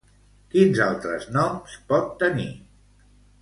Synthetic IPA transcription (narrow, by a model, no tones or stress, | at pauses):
kinzalˠt̪ɾəznɔmspɔt̪ːəni